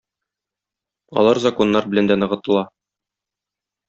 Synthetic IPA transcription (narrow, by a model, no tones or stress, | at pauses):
ɒ̰lˠɑɾzɐko̞nːɑɾbɘ̆lænd̪ænɤ̆ʁɤ̆t̪ɤ̆lˠɑ